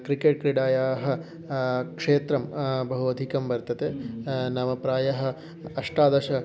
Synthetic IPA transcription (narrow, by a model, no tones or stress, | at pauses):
kɾikeːʈ̚kɾiɽaːjaːɦɐ̆ | kʂeːt̪ɾɐmbɐɦuʋɐd̪ʱikɐmbɐɾt̪ɐt̪enɐmɐpɾaːjɐɦɐ̆ | ɐʂʈaːd̪ɐʃɐ